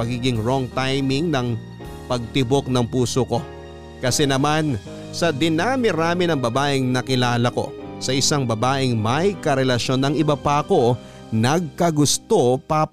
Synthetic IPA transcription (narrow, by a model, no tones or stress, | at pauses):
ɐɡiːɡɪŋɹoŋt̪ajmɪŋnɐŋ | pɐɡ̚t̪ɪbok̚nɐŋpuːsoko̞ | kɐsɛnɐman | sɐd̪ɪnaːmɪɾaːmɪnɐŋbɐbaːʔɪŋnɐkɪlaːlɐko̞̰sɐʔɪsaŋbɐbaːʔɪŋmɐjkɐɾɛlɐʃo̞nːɐŋɪbɐpako̞ | nɐɡ̚kɐɡʊst̪o̞pɐ